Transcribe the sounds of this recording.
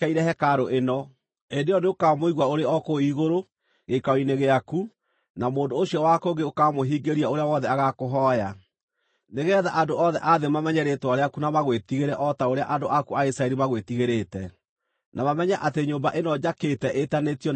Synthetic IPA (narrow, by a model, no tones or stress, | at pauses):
aiɾɛhɛkaɾoʔenɔ | endejɔneokamoiɣwaoɾeɔkoiɣoɾo | ɣekawineɣeaku | namoːndoːɕiɔwakoŋɡeokamoɦiːɡeɾiaoɾeawɔðɛaɣakoɦɔja | neɣɛðaʔandoɔðɛʔaðemamɛɲɛɾetwaɾeakunamaɣwetiɣeɾɛʔɔtaoɾea̰ʔandoʔakuaisɾaɛɾimaɣwetiɣeɾetɛ | nʔamamɛɲaʔateɲoːmbaʔenɔd͡ʒaketɛʔetanetijɔ